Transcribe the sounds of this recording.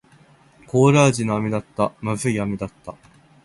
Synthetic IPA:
ko̞ːɾaːʑinoamʲid̪at̪ːamaɸɯiamʲid̪at̪ːa

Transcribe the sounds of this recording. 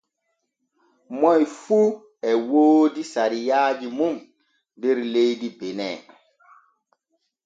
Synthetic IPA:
mɔjfu | ɛwoːdisaɾijaːd͡ʒimum | beɾlejdibenɛ̰ː

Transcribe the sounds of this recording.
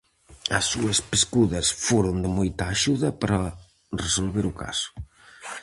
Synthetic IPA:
ɐ̰sːuɐspeskuðɐsfoɾond̪ɪmojt̪ɐːʃuðɐpaɾɐ | resolβeɾʊka̰sʊ̥

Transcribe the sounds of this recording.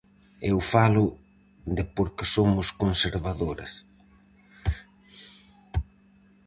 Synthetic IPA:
ewfalʊ | ðɪpoɾkɪsomʊskonseɾβaðoɾɪ̰s

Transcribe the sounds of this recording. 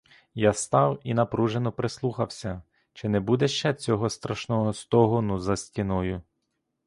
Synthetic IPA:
jast̪ɑwinɐpɾuʒenɔpɾeslˠuxɐwsʲɐ | t͡ʃɪnɛbud̪ɛʃt͡ʃɛt͡sʲɔɦɔst̪ɾɐʃnɔɦɔst̪ɔɦɔnʊzɐsʲtʲinɔjʊ

